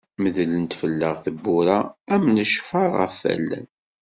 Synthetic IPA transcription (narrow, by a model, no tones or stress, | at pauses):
məðlənt̪fəlːəʁθəbːʊɾaæmnəʃfɑɾˤæ̰fːæ̰lːə̰n